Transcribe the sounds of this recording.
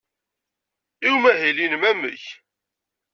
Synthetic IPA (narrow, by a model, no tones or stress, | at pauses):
iwmæɦilinmæmə̰ç